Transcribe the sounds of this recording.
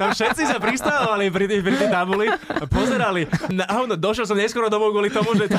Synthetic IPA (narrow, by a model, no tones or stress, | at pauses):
t̪amfʃɛt̪t͡sisapɾist̪aʋalip̬ɾipɾit̪ɛt̪abuliapɔzɛɾalinaʔaʊnɔd̪ɔʃjɛls̬ɔmɲɛskwɔɾɔd̪ɔmɔʊɡʊɔlit̪ɔmuʒɛ